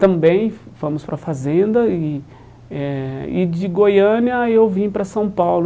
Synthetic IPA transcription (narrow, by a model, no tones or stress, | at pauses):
t̪ɐ̃bẽj̃fɐ̃mʊspɾɐfazẽnd̪ɐɪ | ɛɪd͡ʒɪɡojɐ̃niɐewvĩpɾɐsɐ̃w̃pawlʊ